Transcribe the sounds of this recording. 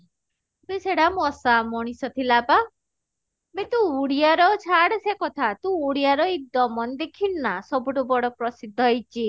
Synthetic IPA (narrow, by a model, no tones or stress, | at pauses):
beseɽamɔsamɔɽ̃isɔt̪ʰilaba | met̪ũuɽijaɾɔt͡ʃʰaɽsekɔt̪ʰat̪ũuɽijaɾɔid̪ɔmɔnd̪ekʰinnasɔbuʈubɔɽɔpɾɔsid̪ʱːɔɦejt͡ʃʰi